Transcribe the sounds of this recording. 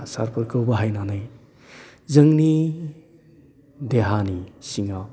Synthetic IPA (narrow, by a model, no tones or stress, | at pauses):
sa̰ɾpʰɯɾkɯwbaɦajnanaj | zəŋni | deɦanisiŋaw